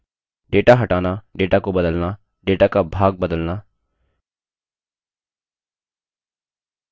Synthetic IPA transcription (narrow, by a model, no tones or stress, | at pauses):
ɖeːʈaɦəʈaːnaːɖeːʈaːkobəd̪əlnaː | ɖeːʈaːkabʱaːɡ̚bəd̪əlnaː